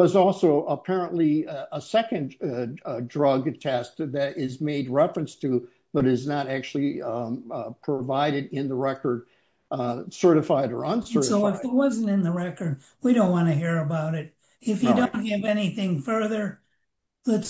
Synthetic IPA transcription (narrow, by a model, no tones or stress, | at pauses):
ʌzɔlˠsoʊʔəpʰɛɹə̃nʔliəsɛkɨ̃n | dɹʌɡtʰɛskðɨɾɪzmeɪd̚ɹɛfɹɨ̃nstʰɨ | bʌɾɨznəɾæk̚t͡ʃʉl̩ˠi | pʰɹ̥əvaɪɾɨɾɪ̃nðəɹɛkə˞d̚ | sɜ˞ɾɨfaɪɾə̰˞ə̃nsɜ˞soʊɪfðəwʌzn̩tɨ̃nðəɹɛkə˞d̚ | wiɾõʊ̃ntwɑ̃nɨɦiɹɨbaʊɾɪt̚ | ɪfjdõʊ̃nt̚ɦɨvɛniθɪ̃ŋfɜ˞ðə˞ | lɨts